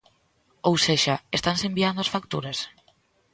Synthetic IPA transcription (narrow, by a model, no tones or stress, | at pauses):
owseʃaest̪ansembiand̪ʊasfakt̪uɾas